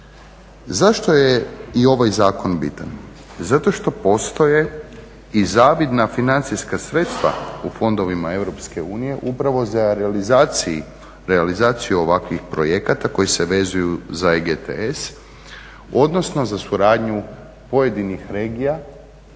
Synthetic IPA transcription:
zaʃt̪o̞jeio̞ʋajzaːko̞nbit̪an | zat̪o̞ʃt̪o̞po̞st̪o̞je̞ | izaːʋid̪nafinant̪sijskasɾe̞t̪st̪ʋa̰ufo̞nd̪o̞ʋimae̞ʋɾo̞pske̞uːnije̞ʔupɾaʋo̞zaɾizai | ɾealizaːt̪sijuo̞ʋakʋixpɾo̞je̞kat̪ako̞jese̞ʋe̞zujuzaeɡet̪ḛes | o̞d̪no̞sno̞zasuɾaːd̪ɲu | po̞je̞d̪inixɾe̞ːɡija

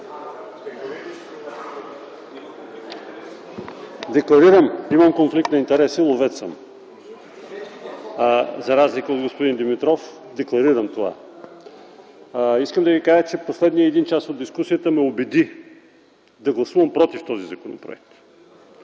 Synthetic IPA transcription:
d̪ɛklˠɐɾiɾəmiməmkonflik̚t̪nɐint̪ɛɾɛsilˠovɛt̪sə̰m | zɐɾazlikəod̪ɡospʊd̪ind̪imit̪ɾɔf | d̪ɛklˠɐɾiɾəmt̪ova̰ | iskəmd̪ɐvikaʒət͡ʃɛposlɛd̪nijəːd̪int͡ʃasod̪iskusijət̪əmɛobɛd̪i | d̪ɐɡlˠɐsuvɐmpɾɔt̪ift̪ɔzizɐkonopɾo̰ɛ̰k̚t̪

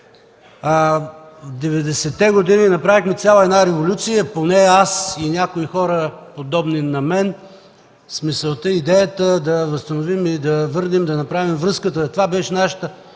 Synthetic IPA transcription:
vd̪ɛvɛd̪ɛsɛt̪ɛɡod̪ininɐpɾavixmɛt̪sʲjalˠəɛd̪naɾɛvolʲut̪sijəponɛasinʲakoixɔɾəpod̪ɔbninɐmɛn | smisəlˠt̪əid̪ɛjət̪əd̪ɐvəst̪ɐnovimid̪ɐvɤɾnimd̪ɐnɐpɾavimvɾɤskət̪ət̪ovabɛʃɛnaʃə̥t̪ə

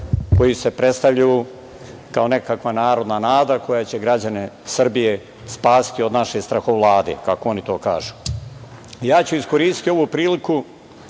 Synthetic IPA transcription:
ko̞jise̞pɾe̞t̪st̪aʋʎaju | kao̞ne̞kakʋanaːɾo̞d̪nanaːd̪ako̞jat͡ɕe̞ɡɾad͡ʑane | srbije̞ | spaːsi̥t̪io̞d̪naʃe̞st̪ɾaxo̞ʋlˠaːd̪ḛkako̞o̞nit̪o̞ːka̰ːʒu | ijaːt͡ɕuiskoɾiːst̪i̥t̪io̞ʋupɾiːliku

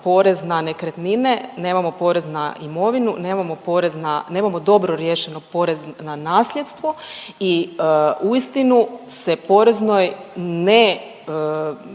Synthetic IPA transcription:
po̞ɾe̞znanekɾet̪ninene̞ːmamo̞po̞ːɾe̞znaimo̞ʋinṵne̞ːmamo̞po̞ːɾe̞znane̞ːmamo̞d̪o̞bɾoɾjeʃe̞no̞po̞ɾeznanaːslʎʲjet̪st̪ʋo̞i | uist̪inusepo̞ɾe̞zno̞jne

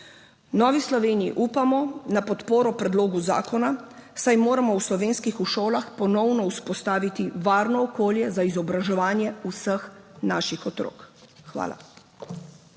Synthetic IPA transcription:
nɔːʋislɔʋeːniḭʔupamɔnapɔt̪poːɾɔpɾɛd̪loːɡuza̰ːkɔnasajmoːɾamɔwslɔʋeːnskixuʃoːlaxpɔnɔwnɔuspɔst̪aːʋit̪iʋaːɾnɔːkoːljɛzaizɔbɾaʒɛʋaːnjɛusəxnaːʃixɔt̪ɾo̰ːkxʋa̰ːla̰

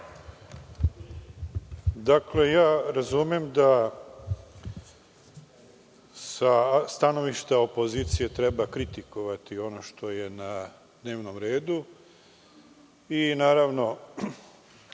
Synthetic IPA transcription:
d̪akle̞jaːɾazumjemd̪a | sast̪ano̞ʋiʃt̪ao̞po̞ziːt̪sije̞t̪ɾe̞bakɾit̪iko̞ʋat̪io̞noʃt̪o̞je̞na | d̪ne̞ːʋno̞mɾeːd̪u | inaːɾaʋno̞

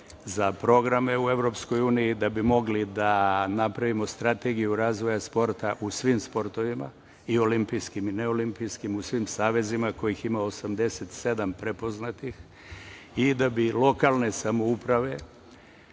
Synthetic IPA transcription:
zapɾo̞ɡɾame̞uevɾo̞psko̞juːnijid̪abimo̞ɡlid̪anapɾaʋimo̞st̪ɾat̪eɡijuɾaːzʋo̞jaspo̞ɾt̪aʔusʋimspo̞ɾt̪o̞ʋima̰ | io̞limpijskimineo̞limpijskimusʋimsaːʋe̞zimako̞jiximaosamd̪e̞set̪se̞d̪ampɾepo̞znat̪ix | id̪abilo̞kalˠne̞samo̞upɾaʋe̞

